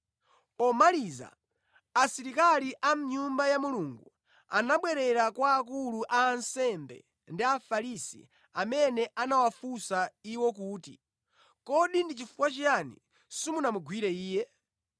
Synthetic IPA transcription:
ɔmaliza̰ː | siɾikaliʔam̩ɲumbajamuluːŋɡu | anaɓwɛɾɛɾakwaːkuluʔaːnsɛmbɛ̰ | ndiafaɾisḭ | amɛnɛʔanawafusaiwɔk̬uːtḭ | kɔɗindit͡ʃifukwat͡ʃianḭ | simunamuɡwiɾɛiːjɛ

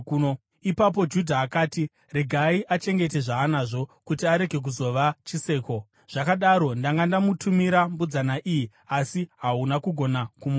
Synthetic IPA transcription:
o | ipap̬o̞d͡ʒudʱaːkaːti | re̞ɡʱaiʔat͡ʃe̞ŋɡe̞te̞ʐaːnaʐo̞kutiaɾe̞ɡʱe̞k̬uzo̞ʋat͡ʃise̞ːko̞ | ʐ̥akaɗaɾo̞ndaŋɡandamutʰumiɾambud͡zanaʔiji | asiɦaunakuɡʱo̞nakumu

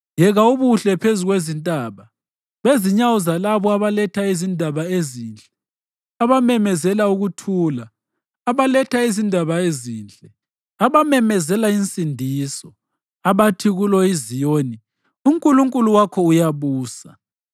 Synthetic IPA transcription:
jɛɣauβuɬɛpʰezuɣwezintʼaːβa | βeziɲawuzalaβɔaβalɛtʰaizindʱaβaeziːnt͡ɬʼɛ | aβamɛmɛzɛlauɣutʰuːlaː | βalɛtʰaizindʱaβaeziːnt͡ɬʼɛ | aβamɛmɛzɛlaint͡sʼindʱiːsɔ | aβatʰiɣulɔizijoːni | uŋkʼuluŋkʼuluwakʰɔujaβuːsa

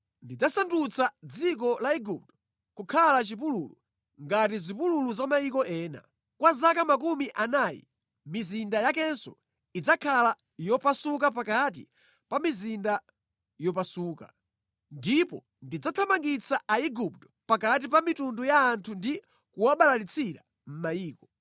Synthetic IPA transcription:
ndid͡zasandut͡sʰad͡zikɔlaiɡup̚tɔ̥ | kukʰalat͡ʃip̬ululu | ŋɡatizipululuzamajikɔʔɛːna̰ | kwazakamak̬umiʔanaːjḭ | mizindajakɛnsɔ̰ | id͡zakʰala | jɔpasukap̬akat̬ḭ | pamizinda | jɔpasuːka̰ | ndipɔ̰ | ndid͡zatʰamaŋɡit͡sʰaaiɡup̚tɔ̥pakat̬ipamitundujaːntʰundi | kuwaɓalalit͡sʰiɾa̰ | m̩majiːkɔ

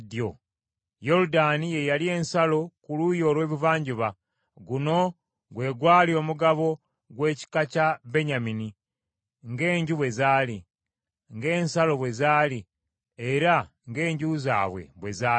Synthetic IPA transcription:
djo | jo̞ɾudanije̞jalie̞ːnsalo̞kulujo̞ːlwe̞ːβivaːɲɟiβa | ɡuno̞ | ɡwe̞ːɡwaːlio̞ːmuɡaβo̞ | ɡwe̞ːci̥kacabe̞ɲamini | ŋɡe̞ːɲɟuβwe̞zaːli | ŋɡe̞ːnsalo̞βwe̞zaːli | eɾa | ŋɡe̞ːɲɟuza̰ːβwe̞̰βwe̞zaː

